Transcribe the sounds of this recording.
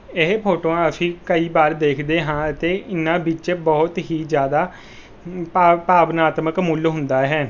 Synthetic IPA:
ɪɦpʰoːʈõːaəpʰĩːkəiːbaːɾd̪eːkʰd̪eːɦãːət̪eːʔɪnːãːbɪt͡ʃbɔːt̪ɦiːd͡ʒjaːd̪aː | pːpaːbnaːt̪məkmʊlɦʊ̃nd̪aːɦɛː

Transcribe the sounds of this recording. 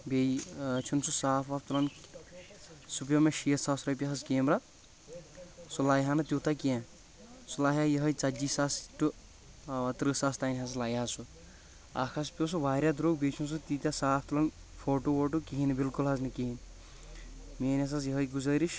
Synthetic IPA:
bejt͡ʃʰunsʰusaːfʰaft̪ulɐn | sup̬jɐmeʃiet̪sasɾɐjp̬ʲeɦɐzkeːmɾa | sulajɦanɨt̪uːt̪akiã | sulaːjajɐɦɐjt͡sad͡ʒisasʈu | at̪ɾɨsast̪ajnʲɦas̬laːjɦasu | a̰kʰas̬pʲowsuʋaːɾʲjad̪ɾoːɡ̚bʲet͡ʃʰunsut̪it̪ʲasaːfʰt̪ulɐn | fʰoːʈooʈukiɦinbilkulɦɐznikiɦin | meːnas̬as̬jɐɦɐjɡuzɐjɾiʃ

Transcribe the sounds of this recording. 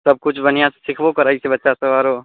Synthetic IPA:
sɐb̚kʊt͡ʃʰbɐnijãse̥sɪkʰbokɐɾaːisebɐtːʃasɐʋaːɾoː

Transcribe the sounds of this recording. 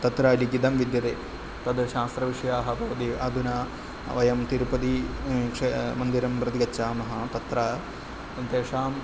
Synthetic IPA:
t̪ɐt̪ɾaːlikid̪ɐmʋid̪jɐt̪eː | t̪ɐd̪ʃaːst̪ɾɐʋiʂɐjaːɦɐ̆bʱɐʋɐd̪iɐd̪ʱunaː | ʋɐjɐmt̪iɾupɐd̪ikʂemɐnd̪iɾɐmpɾɐt̪iɡɐtːt͡ʃːaːmɐɦɐt̪ɐt̪ɾaː | sɐnt̪eːʂaːm

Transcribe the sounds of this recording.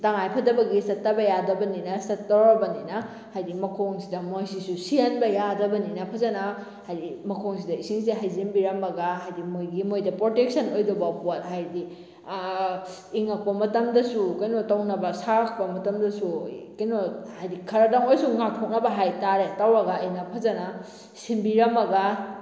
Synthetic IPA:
taŋajpʰɐdɐbɐɡisɐtːɐbɐjadɐbɐninɐsɐtːawɾɐbɐninɐ | hajdimɐkʰoŋsidɐmojsisusiɐnbɐjadɐbɐninɐpʰɐzanɐ | hajdimɐkʰoŋsidɐisiŋsiɦajzinbiɾɐmɐɡaɦajdimojɡimojdɐpɾotek̚sɐnojdɐbɐpat̚ɦajdi | iŋɐk̚pɐmɐtɐmdɐsukajnotawnɐbɐsaɾak̚pɐmɐtɐmdɐsukajnohajdikʰɐɾɐdaŋojsuŋak̚tʰok̚nɐbɐɦajtaɾetawɾɐɡɐːjnɐpʰɐzɐna | simbiɾɐmɐɡa

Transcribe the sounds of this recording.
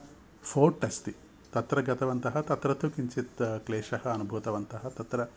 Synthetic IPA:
fʰoːɾʈːɐst̪i | t̪ɐt̪ɾɐɡɐt̪ɐʋɐnt̪ɐɦɐt̪ɐt̪ɾɐt̪ʰukiɲt͡ʃet̪kleːʃɐhɐːnubʱuːt̪ɐʋɐnt̪ɐɦɐt̪ɐt̪ɾɐ

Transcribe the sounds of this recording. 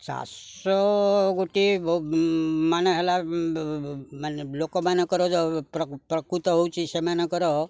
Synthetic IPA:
t͡ʃa̰ | sɔɡoʈi | maneɦela | manlokomanekəɾod͡ʒopɾpɾəkɾut̪ɔɦowt͡ʃʰisemanekɔɾo

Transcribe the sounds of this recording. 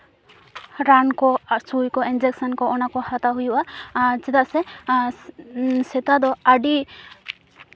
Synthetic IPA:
ɾankɔsujkɔind͡ʒɛk̚sɔnkɔɔnakɔhat̪aɦujuʔad͡ʒɛt̪aʔsɛ | sɛt̪ad̪ɔaɖi

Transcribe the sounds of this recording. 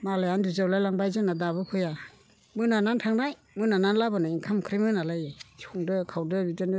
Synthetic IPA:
malajandizawlajlaŋbajzɯnadaβɯpʰɯja | mɯnanantʰaŋnaj | mɯnananlabɯnaiŋkʰamkʰɾimɯnalajesʰuŋdɯkʰawdɯbidɯnɯ

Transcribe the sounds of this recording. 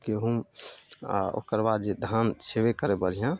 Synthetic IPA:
keɦum | o̰kəɾbad̪d͡ʒed̪ʱansebekəɾebəɾijã

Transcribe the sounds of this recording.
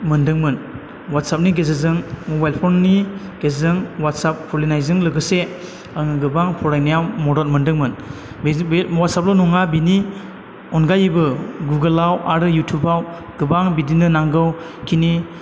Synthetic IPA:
mɯndɯŋmɯn | wat̚sap̚niɡezezɯŋmɔbajlpʰɔnːi | ɡezezɯŋwat̚sap̚kʰɔlinajzɯŋlɯɡɯse | əŋɡɯbaŋpʰɔɾajnijawmɔdɔt̚mɯndɯŋmɯn | wat̚sap̚lɔnɔŋabini | ɔnɡajibɯɡuɡɯlawaɾɯjutʰubaw | ɡ̥ɯbaŋbidinɯnaŋɡɯw | kʰini

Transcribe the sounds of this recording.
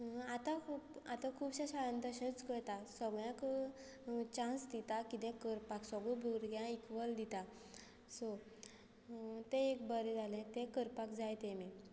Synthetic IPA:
at̪akʰupat̪ãkʰuːbɕãɕaɭənd̪əɕət͡skəɾt̪asəɡɭjãk | t͡ɕãsd̪it̪akit̪ɛ̃kəɾpaksɔɡɭubʱuɡɾɡjãikʋəld̪it̪a | so | t̪eekbəɾed͡zalɛ̃t̪ekəɾpakd͡zajt̪ẽme

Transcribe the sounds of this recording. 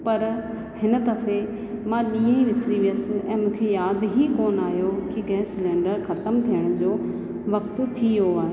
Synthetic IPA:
pɐɾ | hɪnə̆t̪ɐfe | mãɗiːə̃iʋɪsɾiʋiəsʔɛ̃ːmũːkʰejaːd̪ɦikoːnaːɦjokiɡɛ̃ːsɪlɛ̃ːɳɖəɾxɐt̪əmt̪ʰijəɽ̃ʊd͡ʑoː | ʋɐkt̪t̪ʰioaːɦe

